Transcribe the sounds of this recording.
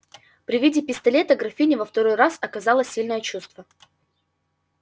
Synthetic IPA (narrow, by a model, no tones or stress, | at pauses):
pɾʲɪvʲidʲɪpʲɪst̪ɐlʲe̞t̪əɡɾɐfʲinʲɪvəft̪ɐɾojrasɐkɐzalˠəsʲilʲnəjət͡ɕust̪və